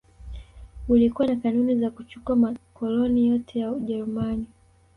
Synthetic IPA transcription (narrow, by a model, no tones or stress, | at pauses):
ulikuwanakanunizakut͡ʃu̥kamakɔlɔnijɔtʰɛjauʄɛɾumani